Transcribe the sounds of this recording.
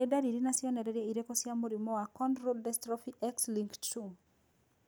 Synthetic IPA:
edaɾiɾinasɪɔnɛɾɛɾjɛiɾekɔsjamoɾimɔakɔndɾodɛstɾɔfiʔɛksliŋktu

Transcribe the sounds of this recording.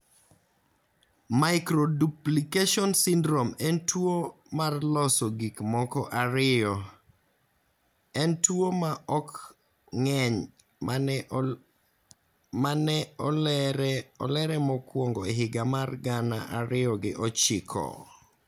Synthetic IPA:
maɪkɾoduplikeʃɔnsindɾomɛntwo | marlɔsɔɡikmɔkɔʔaɾɪɔ | ɛntwomaɔk | ŋɛɲ | manɛɔ | ɔ̰lɛɾɛmɔkwoŋɡɔeɦɪɡamarɡana̰ʔaɾɪɔɡɪ̰ʔɔt͡ʃɪkʰɔ̰

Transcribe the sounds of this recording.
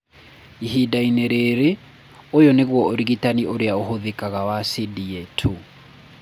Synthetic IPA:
iɦidaineɾeɾe | ojɔneɣwɔoɾiɣitaniʔoɾeaoɦoðekaɣawasidietʰu

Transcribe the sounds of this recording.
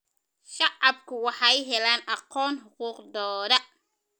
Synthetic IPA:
ʃɑʕɑb̚kʰʊwɑħɑjɦɛlaːnʔɑqɔːnħʊquːqd̪ɔːðɐ

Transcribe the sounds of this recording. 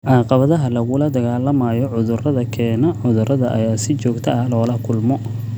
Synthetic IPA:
ʕɑːqɑβɐðɐɦɐlɐɣʊlɐd̪ɐɣaːlɐmɐːjɔʕʊðʊrɐðɐkʰɛːnɔʕʊðʊrɐðɐʔɐ̰jaːsɪt͡ʃɔːɡt̪ʰɐʔɐlɔːlɐkʰʊlmɔ

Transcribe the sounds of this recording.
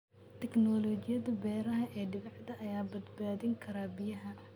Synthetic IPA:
t̪ʰɛknɔːlɔt͡ʃɪjɐðɐbɛːɾɐɦɐʔɛːɖɪβɛħd̪ɐʔɐjaːbɐd̪baːðɪŋkʰɐɾaːbɪjɐɦɐ

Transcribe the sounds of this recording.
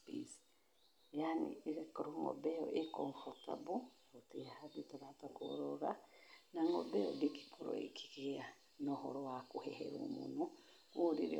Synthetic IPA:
pis | janḭeɾɛkɔɾoŋɔ̰bɛɔʔekɔɱfɔta̰bu | otihaditaɾatako̰ɾɔɾanaŋɔ̰bɛɔ̰diki̥kuɾɔ̰ḛkʰi̥ɣea | nɔhɔɾɔwakohɛhɛ̰ɾṵmo̰nu | kuɾiɾḛ

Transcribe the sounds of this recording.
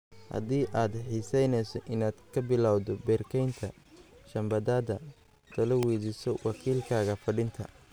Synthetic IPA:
hɐ̰ðiːʔaːd̪ħiːsɛjnɛjsɔʔɪnaːd̪kʰɐbɪlaːwðɔbɛːrkʰɛjnt̪ʰɐ | ʃɐmbɐðaːðɐ | t̪ʰɐlɐwɛːdɪsɔwɑkʰiːlkʰaːɣɐfɐɽɪnt̪ʰɐ̰

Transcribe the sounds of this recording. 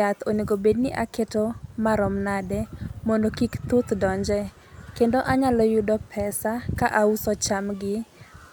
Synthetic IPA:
at̪oniɡobednɪʔa̰ketomaɾɔmnadɛmɔndokikt̪ut̪dɔɲd͡ʒɛ | kendoʔaɲalɔjudɔpʰɛsakaʔausɔt͡ʃamɡɪ

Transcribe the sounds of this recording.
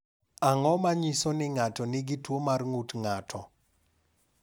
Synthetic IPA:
aŋɔmaɲisonɪŋatɔnɪɡɪtwomarŋutŋatʰɔ

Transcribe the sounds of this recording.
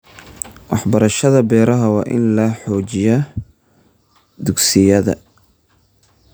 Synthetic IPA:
wɑħbɐɾɐʃɐðɐbɛːɾɐɦɐwɑːʔɪ̰nlɐħɔːt͡ʃɪjɐ | d̪ʊɡsɪjɐðɐ̰

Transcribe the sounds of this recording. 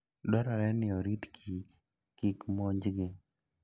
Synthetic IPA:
dɔɾɔɾɛnɪɔɾitkʰit͡ʃ | kikmoɲd͡ʒɡɪ

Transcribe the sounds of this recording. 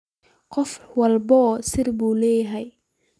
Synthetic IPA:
qɔfwɐlbɔsɪrbuːlɛːjɦɛj

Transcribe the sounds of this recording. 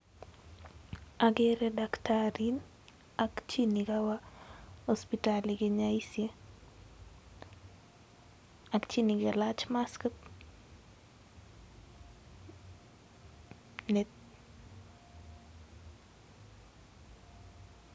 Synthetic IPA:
aɡeɾɛdaktʰaɾin | akt͡ʃinikawahospitaliɡɪɲaisje | akt͡ʃiniɡalat͡ʃmaskət | net

